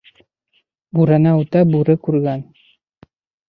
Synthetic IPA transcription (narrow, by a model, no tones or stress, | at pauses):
buɾanaut̪ɑbuɾɘkʉɾɡæn